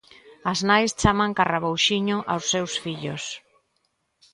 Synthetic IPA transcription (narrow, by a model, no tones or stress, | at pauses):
aznajst͡ʃamaŋkaraβowʃiɲʊʔawsːewsfiʎʊ̰s